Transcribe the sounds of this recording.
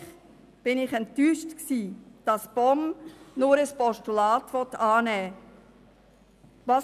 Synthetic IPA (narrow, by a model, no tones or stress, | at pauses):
b̥ɪnɪχɛntːyːʃtksiːd̥ɑsb̥ɔmnʊɾəspɔʃtulɑːtʋɔtɑːnɛː | vɑ